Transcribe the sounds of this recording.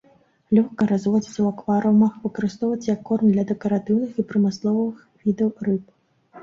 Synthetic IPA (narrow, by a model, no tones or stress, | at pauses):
lʲɔxkɐɾazvɔd͡zʲit̪sɐwakvaɾɐwmaxvɨkɐɾɨst̪ɔwvɐt͡sʲjɐkːɔrmd̪lʲɐd̪ɛkɐɾat̪ɨwnɨxipɾɨmɨslˠɔvɐvɨxvʲid̪ɐwrɨp̚